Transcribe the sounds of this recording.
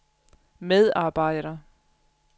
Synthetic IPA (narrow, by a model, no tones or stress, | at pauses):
með̞ˠɑ̈ːb̥ɑ̈ɪ̰ɾ̥ɐ